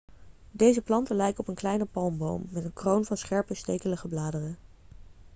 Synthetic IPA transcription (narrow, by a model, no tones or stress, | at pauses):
dejzəplɑntəlɛjkəɔpənklɛjnəpɑlˠmbo̰wmːɛtənkrownvɑnsχɛɹpəstejkələχəblaːdərə